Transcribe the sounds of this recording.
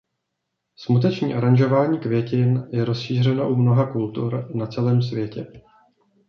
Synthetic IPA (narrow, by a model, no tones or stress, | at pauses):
smut̪ɛt͡ʃɲḭːʔaɾanʒo̞vaːɲiːkvjɛcɪnjɛɾo̞sʃiːr̝ɛnaʔumno̞ɦakult̪uɾnat͡sɛlɛːms̬vjɛcɛ